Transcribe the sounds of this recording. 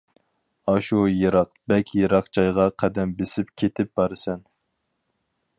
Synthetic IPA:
ɑʃujeɾɑqbɛkʲʰjeɾɑqt͡ʃʰɑjʁɑqʰæd̪ɛmbɪsɪp̚kʲʰet̪ʰɪp̚b̥ɑɾɨsɛn

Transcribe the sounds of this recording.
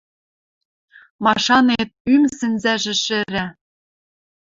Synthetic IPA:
mɑʃɑnet̪̚ymsɘ̆nzæʒɘ̆ʃɘ̆ɾæ

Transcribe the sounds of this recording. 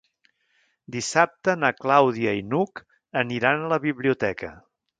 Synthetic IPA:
d̪isap̚t̪ənaklawðiəinuk | əniɾanələβiβliut̪ɛkə̰

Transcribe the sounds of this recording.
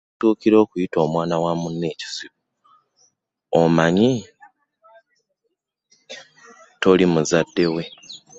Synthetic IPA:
tuːkiɾo̞ːkujito̞ːmwaːnawamunːe̞ːci̥siβu | omaɲi | to̞limuzadːe̞we̞

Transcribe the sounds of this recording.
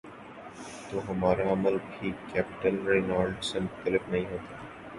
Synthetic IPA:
t̪oːɦɐmaːɾaɐməlbʱiːkɛːpɪ̥ʈəlɾeːnaːɾɖsemʊxt̪əlɪfnɐɦĩɦoːt̪aː

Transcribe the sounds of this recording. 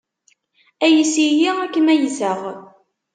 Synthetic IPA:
æjəsijiækːəmæjzəʁ

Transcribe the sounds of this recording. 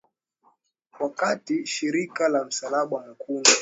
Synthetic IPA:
wakatiʃiɾikalam̩salaɓaam̩kundɔ

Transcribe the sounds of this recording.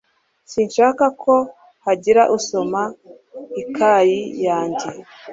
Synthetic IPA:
sinʃaːkakʰo̞ | haɟiɾaʔuso̞ma | ikʰajijaːɲɟe

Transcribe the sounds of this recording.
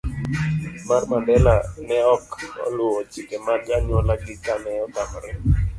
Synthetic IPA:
marmandɛlanɛɔkɔ̰lʊɔt͡ʃɪkemand͡ʒaɲɔlaɡɪkanɛɔtamɾɛ

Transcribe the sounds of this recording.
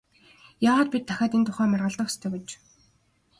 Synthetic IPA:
jaːʁaːt̪̚pit̪ʰːæxʲaːt̪ent̪ʰʊχæːmarʁə̆ɮt̪ə̆χxst̪ʰeːpet͡ɕ

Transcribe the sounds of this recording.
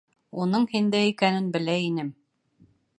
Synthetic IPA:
unɤɴhind̪æikænɘnbɘ̆læinɘm

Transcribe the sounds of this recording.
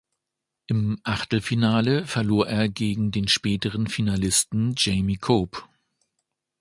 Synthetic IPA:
ʔɪmʔaχtl̩finaːləfɛɐloːɐʔeːɐɡeːɡŋ̩deːnʃpɛːtəʁənfinalɪstn̩d͡ʒeɪmikʰoːp

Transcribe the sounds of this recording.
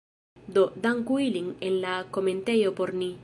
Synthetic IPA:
d̪od̪aŋkwiliŋenlakomẽnt̪ejopoɾni

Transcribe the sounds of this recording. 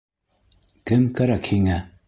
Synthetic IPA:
kɘmkæɾækhiŋæ

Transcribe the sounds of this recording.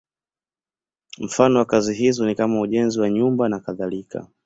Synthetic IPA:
m̩fanɔwakaziɦizɔnikamauʄɛnziwaɲumbanakaðalika̰

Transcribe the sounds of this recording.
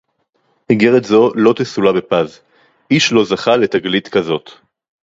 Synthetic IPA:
hiɡeʁet̪zo̞lo̞t̪esulabe̞paz | ʔiʃlo̞zaχale̞t̪aɡlit̪kɐzo̞t̪

